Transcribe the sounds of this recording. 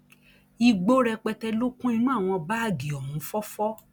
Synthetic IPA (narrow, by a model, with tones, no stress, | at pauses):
i˧ɡ͡bo˦ɾɛ˧k͡pɛ˧tɛ˧lo˦kũ˦i˧nũ˦a˦˨w̃ɔ̃˧ba˦a˦˨ɡi˨ɔ˨hũ˨˦fɔ˦fɔ˦